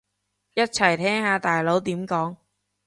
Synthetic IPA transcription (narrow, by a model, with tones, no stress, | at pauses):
jɐ˥t̚t͡sʰɐ˨˩jt̪ʰɛː˥ŋhaː˨˧t̪aː˨jlo˨˥wt̪iː˨˥mkɔː˨˥ŋ